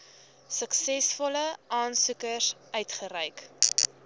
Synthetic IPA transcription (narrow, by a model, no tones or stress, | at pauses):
səksɛsfɔləʔɑːnsukəsœɥtχəɾœjk